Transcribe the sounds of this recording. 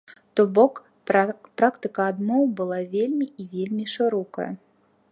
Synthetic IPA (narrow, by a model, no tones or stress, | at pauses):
t̪ɔbɔk | pɾakt̪ɨkɐːd̪mɔwbɨlˠavʲelʲmʲiivʲelʲmʲiʂɨɾɔkɐ̰jɐ̰